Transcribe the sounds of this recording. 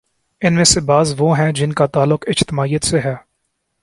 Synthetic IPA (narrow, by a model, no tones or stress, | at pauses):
ɪnmẽsebaːzʋoːɦɛ̃d͡ʒɪnkat̪aːlːʊqɪd͡ʒt̪ɪmaːijət̪seɦɛː